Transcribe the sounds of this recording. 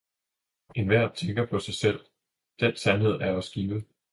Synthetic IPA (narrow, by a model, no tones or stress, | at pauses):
e̝nʋæɐ̰d̥̚t͡sʰeŋɡ̥ɐpʰɒ̽sɑ̈ɪsel̰ | d̥en̰sænhe̝ð̞̰ˠæɐɒsɡ̥iːʋð̩ˠ